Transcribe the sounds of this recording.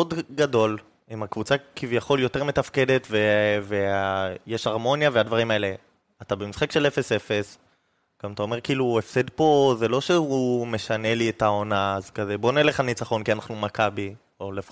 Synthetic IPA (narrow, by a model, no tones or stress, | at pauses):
odɡado̞l | imakvut͡sakivjaχo̞ljo̞te̞ʁme̞tafke̞de̞tvevejeʃaʁmo̞njavead̪vaʁimaele | atabemisχakʃe̞lefe̞sefe̞s | kamat̪aome̞ʁkiiːluefsedpo̞zelo̞ʃeume̞ʃane̞lietao̞naːzkazebo̞nieleχanit͡saχo̞nkianaχnumakabi | olef